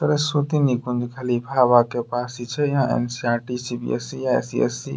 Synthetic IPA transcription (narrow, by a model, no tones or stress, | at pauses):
t̪əɾesut̪inikʊ̃nd͡ʒkʰəlipʰabakepaːsit͡ʃʰɛjãḛnsiaːɾʈisibḭḛsijaḛsiɛ̰si